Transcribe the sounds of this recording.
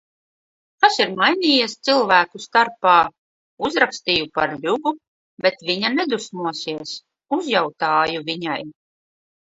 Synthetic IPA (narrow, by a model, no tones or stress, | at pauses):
k̪asiɾmajniːjest̪silˠvæːkust̪aɾpaː | uzɾakst̪iːjupaɾʎʲuɡu | bʲɛt̪vʲiɲanɛd̪usmuɔsiɛs | uzjawt̪aːjuvʲiɲaj